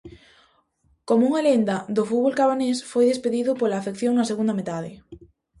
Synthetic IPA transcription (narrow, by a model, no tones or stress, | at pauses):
komouŋalend̪ɐðʊfut̪βolkaβanesfojðespeðiðʊpolaːfekθjoŋnɐseɣund̪ɐmet̪aðɪ